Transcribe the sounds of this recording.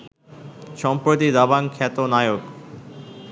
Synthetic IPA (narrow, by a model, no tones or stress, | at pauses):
ʃɔmpɾot̪id̪abankʰɛt̪onajok